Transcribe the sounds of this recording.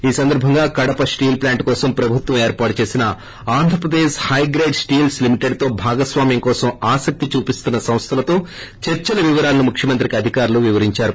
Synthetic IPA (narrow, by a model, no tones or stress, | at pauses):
iːsɐnd̪ɐɾbʱɐŋɡaːkɐɽɐpɐsʈiːlplaːɳʈkɔːsɐmpɾɐbʱut̪wʋɐmeːɾpaːʈɐt͡ʃe̞ːsinɐ | aːnd̪ʱɾɐpɾɐd̪eːʃhɐjɡɾeːɖsʈiːlslimiʈe̞ɖt̪o̞ːbʱaːɡɐsʋaːmjɐŋkɔːsɐmaːsɐk̚t̪it͡ʃuːpist̪unːɐsɐmst̪ʰɐlɐt̪o̞ː | t͡ʃeɾt͡ʃɐnɐʋiʋɐɾaːlnumukʰʂjɐmɐnt̪ɾikɐd̪ʱikaːɾuluʋiʋɐɾiɲt͡ʃaːɾu